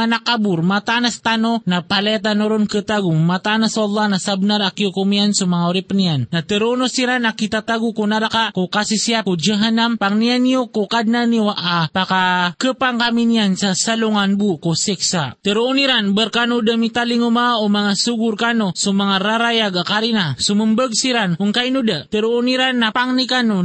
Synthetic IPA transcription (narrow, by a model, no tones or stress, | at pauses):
anakabuɾmat̪anast̪anonapalɛt̪̬anoɾonkət̪aɡumat̪anasɑlːɑhnasabnaɾakiokumiansumaŋauɾipniannat̪əɾonosiɾanakit̪at̪aɡukunaɾakakukasisiapkud͡ʒaɦanampaŋnianiokokad̚nanioaʔapakakəpaŋkaminiansasaluŋanbukosiksat̪əɾuuniɾanbərkanudəmit̪aliŋumaomaŋasuɡurkanusumaŋaɾaɾajaɡakaɾinasuməmbəɡ̚siɾanuŋkainudət̪əɾuːniɾanːapaŋnikanu